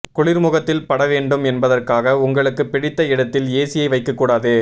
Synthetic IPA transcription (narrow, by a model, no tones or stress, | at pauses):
kʊɭɪɾmʊɣɐt̪ːɪlpɐɽɐʋeːɳɖɯmɛnbɐðɐrkaːɣɐʊŋɡɐɭɯkːɯpːɪɽɪt̪ːɐɪɽɐt̪ːɪleːsɪjɐɪʋɐɪkːɐkːuːɽaːðɯ